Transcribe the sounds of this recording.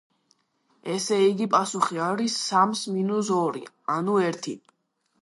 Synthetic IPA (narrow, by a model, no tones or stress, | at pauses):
ɛsɛiɡipʼasuχiaɾisːamsminus̬ɔɾḭ | anuɛɾt̪ʰi